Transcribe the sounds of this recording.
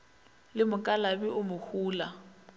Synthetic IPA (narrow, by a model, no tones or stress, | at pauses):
lɪmʊkʼalabiʔʊmʊhuːla